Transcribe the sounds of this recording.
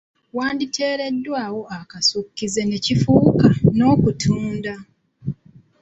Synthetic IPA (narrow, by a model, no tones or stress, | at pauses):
waːnditʰe̞ːɾe̞dːwaːwo̞akasukːize̞ne̞cifukano̞ːkutʰuːnda